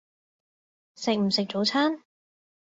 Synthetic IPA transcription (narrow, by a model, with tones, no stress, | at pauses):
sɪ˨k̚m̩˨˩sɪ˨k̚t͡ʃo˨˥wt͡sʰaː˥n